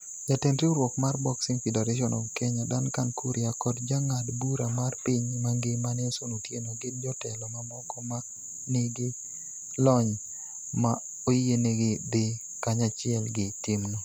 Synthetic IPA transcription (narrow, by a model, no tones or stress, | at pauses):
d͡ʒatɪnɾiuɾwɔkmarbɔksɪŋfidɛɾaʃ̬ɔnʔɔkɛɲadankankuɾiakɔtd͡ʒaŋadbuɾamarpiɲmaŋɡɪmanesonotjenoɡɪnd͡ʒɔtɛlɔmamɔkɔmak | neɡɪ | lɔɲ | ma | ojeneɡɪd̪ɪ | kaɲat͡ʃɪɛlɡɪtɪmno